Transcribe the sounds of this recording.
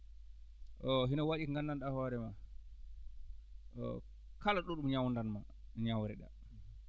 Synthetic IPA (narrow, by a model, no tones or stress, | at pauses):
ʔɔɦinawaɗiŋɡanːanɗahɔːɾɛma | ʔɔ̰ | kalaɗɔɗumɲawndanma | ɲawɾɛɗa̰